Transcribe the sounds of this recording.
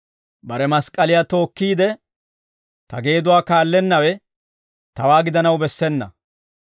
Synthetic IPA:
bɐɾɛmɐskʼːɐlɪjat̪o̞ːkːiːd̪ɛ | t̪ɐɡe̞ːd̪ʊwaːkaːlːɛnːɐwɛ | t̪ɐwaːɡɪd̪ɐnɐwbɛsːɛnːɐ̰

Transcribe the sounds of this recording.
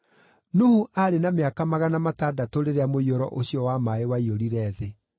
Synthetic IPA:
nuhuʔaɾenameakamaɣanamatadatoɾeɾeamoioɾɔ̰ʔoɕjɔwamaewaioɾiɾɛːðe

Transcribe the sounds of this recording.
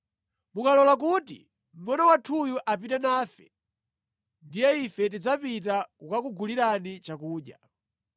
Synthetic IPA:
mukalɔlak̬utḭ | m̩mɔnɔwatʰujuʔap̬itɛnaːfɛ̰ | ndijɛifɛt̬id͡zapitakukakuɡuliɾanit͡ʃakuːɗja̰

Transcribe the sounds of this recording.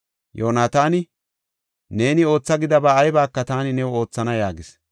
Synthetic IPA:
joːnaːt̪aːnɪ | ne̞ːnɪo̞ːt͡sːɐɡɪd̪ɐbaːjbaːkːɐt̪aːnɪnɛwo̞ːt͡sːɐnɐjaːɡɪs

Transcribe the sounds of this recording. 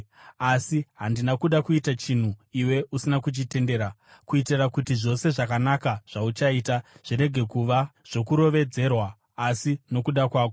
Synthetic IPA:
asiɦandinakuɗakuitat͡ʃin̤uiwe̞ʔusinakut͡ʃite̞nde̞ːɾa | kuitirakutiʐo̞se̞ʐakanakaʐ̥aut͡ʃaiːtaʐ̥iɾe̞ɡʱe̞kuʋaʐ̥o̞kuɾo̞ʋe̞d͡ze̞rwaː | sino̞kuɗakwaːko

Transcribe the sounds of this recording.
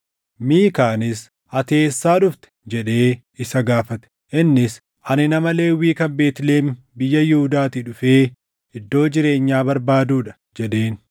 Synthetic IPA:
miːkaːnɪs | ʔɐt̪e̞ːsːaːᶑʊft̪ɛ̥d͡ʒɛᶑe̞ː | ɪsɐɡaːfɐt̪ɛ̥ | ʔɪnːɪs | ʔɐnɪnɐmɐle̞ːwiːkɐnbe̞ːt̪ɪle̞ːm | bɪjːɐjɪhʊd̪aːt̪iːᶑʊfeː | ɪd̪ːo̞ːd͡ʒɪɾe̞ːɲːaːbɐɾbaːd̪uːᶑɐ̥ | d͡ʒɛᶑe̞ːn

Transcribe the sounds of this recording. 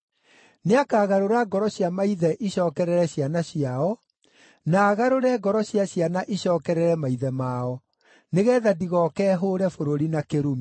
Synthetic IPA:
neakaːɣaɾoɾaɡɔɾɔɕjamaiðɛʔiɕɔːkɛɾɛɾɛɕjanaɕiaɔ | naːɣaɾoɾɛːɡɔɾɔɕjaɕjanaʔiɕɔːkɛɾɛɾɛmaiðɛmaɔ | neɣɛːðadiɣɔkɛːɦoɾɛfoɾoɾinakeɾomi

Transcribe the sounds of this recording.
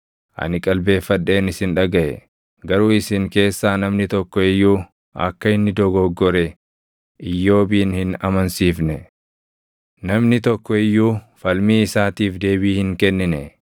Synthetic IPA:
ʔɐ̰nɪkʼɐlbe̞ːfːɐᶑːe̞ːnɪsɪnᶑɐɡɐʔɛ̰ | ɡɐɾuːɪsɪŋke̞ːsːaːnɐmnɪt̪ɔkːɔɪjːuː | ʔɐ̰kːɐɪnːɪd̪ɔɡɔɡːɔɾɛ | ʔɪjːo̞ːbiːnhɪnɐmɐnsiːfnɛ | nɐmnɪt̪ɔkːɔɪjːuː | fɐlmiːɪsaːt̪iːfd̪e̞ːbiːhɪŋkɛnːɪnɛ

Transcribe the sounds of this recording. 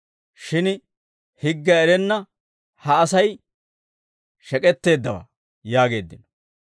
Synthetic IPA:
ʃɪn | hɪɡːɐɛɾɛnːɐ | hɐːsɐj | ʃɛkʼɛt̪ːe̞ːd̪ːɐwa̰ː | jaːɡe̞ːd̪ːɪn

